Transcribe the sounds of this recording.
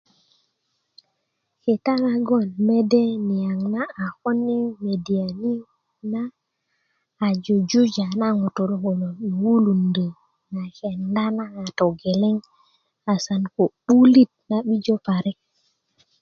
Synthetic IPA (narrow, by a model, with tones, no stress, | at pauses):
ke˨ta˦na˨ɡo˦˨nme˦de˦ni˨ja˨ŋna˦a˨xo˦nːe˦me˨di˨a˨ni˦ | na˦˨ | d͡ʒo˨d͡ʒu˦d͡ʒa˨na˦ŋu˨to˨ɾho˨lo˨i˨wu˦lu˨nde˨ | na˨ke˨nda˦na˦a˨to˨ɡe˨le˦ŋ | a˨sa˨nko˨ɓu˦li˦t̚na˦ɓi˦d͡ʒo˦pa˨ɾe˦k